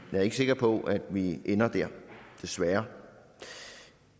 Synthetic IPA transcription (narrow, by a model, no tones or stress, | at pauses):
jɑɐe̝ɡ̥se̝ɡ̥ɐpʰɒ̽ʔæd̥ʋiʔenɐd̥æɐd̥e̝sʋæːɐ